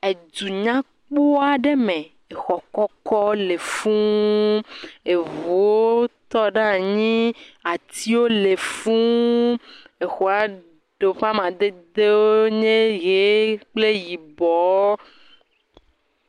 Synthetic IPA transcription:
e˨d̪u˨ɲã˦ | k͡po˦a˨ɖe˦mẽ˨ | e˨xɔ˨kɔ˦kɔ˦le˨fũ˦ | e˨vu˨wo˦t̪ɔ˦ɖa˦ɲĩ˦a˨t̪i˦wo˦le˨fũ˦ | e˨xo˨a˨ | ɖo˨ɸa˦mã˨d̪e˦d̪e˦wo˦ɲẽ˦ɣe˨˦k͡ple˦ji˨bɔ˨˦

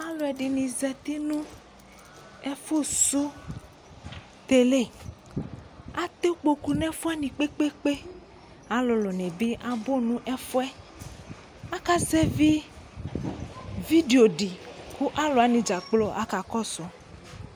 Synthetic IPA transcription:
a˦lo˨ɛ˨ɖi˨nĩ˨zɛ˨t̪i˦nũ˦ | ɛ˦fu˦su˦ | t̪e˨le˦˨ | a˦t̪e˦k͡po˨ku˨nɛ˦fu˦ɛ˦nĩ˨k͡pe˦k͡pe˦k͡pe˦ | a˦lo˨lɔ˨nɛ̃˨be˦ʔa˦bo˦nũ˦ʔɛ˦fu˦ɛ˦ | a˦ka˦zɛ˦vi˦ | vi˦de˨o˨ɖi˨ku˦ʔa˦lo˨a˨nĩ˨d͡ʒa˨k͡plo˦ʔa̰˦ka˨kɔ˦sɔ˨

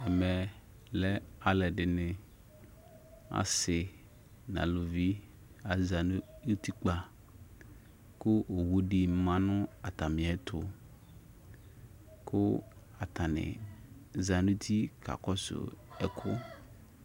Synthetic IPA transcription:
ɛ˨mɛ˨ | lɛ˦a˦lɛ˨ɖɪ˨nɪ̃˨ | a̰˨sɪ˨ | nã̰˨lo˨vi˦ | a˨za˨n˦u˦t̪i˦k͡pa˨ | kʊ˦ʔo˨wu˦ɖi˨˦mã˦nʊ̃˦a˨t̪a˨mɪ̃˨ɛ˦t̪ʰʊ˨ | kʊ˦ | a˨t̪a˨nɪ̰̃˨za˨nu˦t̪ʰi˦kʰa̰˨kɔ˦sʊ̰˨ɛ̰˨kʰʊ˦

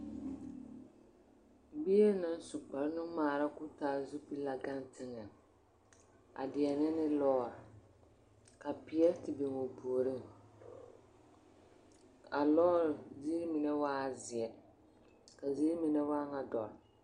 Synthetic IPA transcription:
bi˦e˦nɨ˦n˦su˨k͡pa˨ɾnɨ˦ŋmaː˨ɾa˦kʊ˦taː˦zu˦pi˦la˨ɡa˦n˦tɪ˦ŋɛ˨ | a̰˨dɪ˨ɛ˨nɛ˦nɪ˦lɔː˦˨ | ka˨pɪ˨ɛ˦tɪ˨bi˨ŋo˨poː˨ɾɨ˦ŋ | a˨lɔː˦ɾzi˦mi˨nɛ˦waː˦˨zɪ˨ɛ˨ | ka˨zi˦mi˨nɛ˦waː˦ŋa˨dɔ˨ɾ

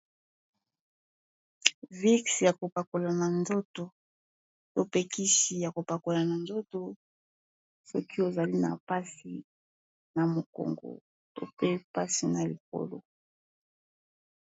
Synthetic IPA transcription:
vi˦ksja˨ko˨pa˨ko˨la˨na˨nzo˦to˨ | to˦pe˨ki˦si˨ja˨ko˨pa˨ko˨la˨na˨nzo˦to˦ | sɔ˦ki˦o˨za˨li˦na̰˨pa˦si˨ | na˨mo˨ko̰˨ŋɡo̰˨ | to̰˦pe˦pa˦si˨na˨li˨ko̰˦lo̰˨

